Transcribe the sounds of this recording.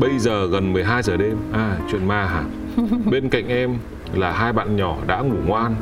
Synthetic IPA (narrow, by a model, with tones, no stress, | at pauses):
ɓə˧jzəː˨˩ɣə˨˩nmɨ˨˩əjɦaː˧jzəː˨˩ɗe˧mʔaː˨˧˩t͡ɕwḭ˧˨ənmaː˧ɦaː˨˩ | ɓe˧nka̰˧˨jŋ̟ʔɛ˧m | laː˨˩haː˧jɓa̰ː˧˨nɲɔ˧˩ɗa̰ː˧˥ŋu˧˩ŋwaː˧n